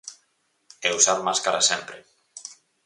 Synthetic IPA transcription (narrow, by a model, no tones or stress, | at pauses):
ewsaðmaskaɾasempɾe